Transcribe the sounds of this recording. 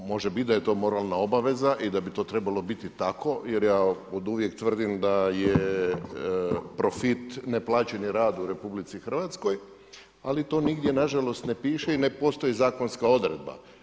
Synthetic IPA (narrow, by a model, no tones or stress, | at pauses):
mo̞ʒebit̪̚ʲd̪ajet̪o̞ːmo̞ɾalˠnao̞baʋe̞zaʔid̪abit̪o̞ːt̪ɾe̞balˠo̞bit̪it̪ako̞je̞ɾjaːod̪uʋjekt̪ʋr̩d̪imd̪aje | pɾo̞fit̪neplˠaːt͡ɕe̞niɾaːd̪uɾe̞publit̪sixr̩ʋat̪sko̞j | alit̪o̞ːniɡd̪je̞naʒalo̞st̪ne̞piːʃeinepo̞st̪o̞jizaːko̞nskao̞d̪ɾed̪̚ba̰